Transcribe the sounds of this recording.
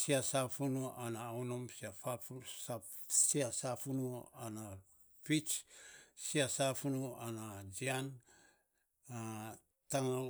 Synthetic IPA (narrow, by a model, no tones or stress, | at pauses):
siasafunuanaːwnomsiafasasiasafunuana | fit͡ʃsiasafunuanad͡ʒian | a | taŋ